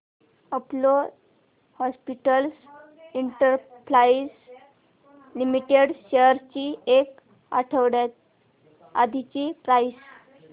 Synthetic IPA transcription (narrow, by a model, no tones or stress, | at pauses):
əplo | hɔspiʈəls | iɳʈəɾpɾais | limiʈeɽɕeəɾt͡ɕiek | a̰ʈʰəʋɽjat̪̚ | a̰d̪ʱit͡ɕipɾais